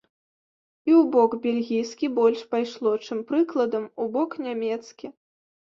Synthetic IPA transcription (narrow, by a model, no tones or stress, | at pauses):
iwbɔkbʲɛlʲɣʲijskʲibɔlʲʂpajʂlˠɔt͡ʂɨmpɾɨklˠɐd̪ɐmubɔknʲamʲɛt̪skʲi